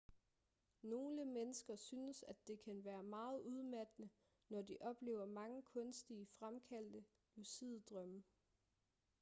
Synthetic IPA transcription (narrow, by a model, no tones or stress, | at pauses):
no̝ːləmenəsɡ̥ɐsyːnəsæd̥e̝kʰænʋæːɐmɑ̈ːð̞̩ˠuð̞ˠmæd̥ənə | nɒdiʔɒ̽b̥le̝̰ːʊɐmɑ̈ŋəkʰɔ̽nsd̥iəfʁamkʰæl̰d̥ə | usið̰ˠd̥ʁœmə